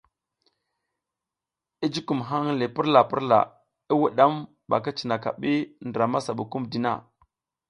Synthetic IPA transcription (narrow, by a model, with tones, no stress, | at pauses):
i˦d͡ʒi˦ku˨mɦa˦ŋ˦le˨pi˦ɾla˨pi˦ɾla̰˨ | i˦wu˨ɗa˦m | ba̰˨ka˦t͡ʃi˨na˨ka̰˨ɓi˦ndɾa˨ma˦sa˨ɓu˨ku˦mdi˨na̰˨